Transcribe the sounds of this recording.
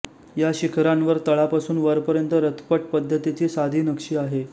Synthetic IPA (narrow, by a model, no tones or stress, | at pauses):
jaɕikʰɾãnʋəɾt̪əɭapasuːnʋəɾpəɾjənt̪əɾət̪ʰpəʈ̚pəd̪ʱːət̪it͡ɕiːsad̪ʱiːnəkʂiːaɦe